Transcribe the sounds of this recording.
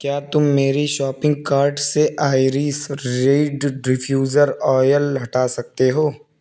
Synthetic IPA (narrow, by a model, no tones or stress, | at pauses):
kjaːt̪ʊmːeːɾiʃɔːpɪ̃ŋɡ̚kaːɾɖseʔaːɪɾisɾeːɖɾɪpʰjuːzəɾɔːjəlːɐʈaːsɐk̚t̪eɦoː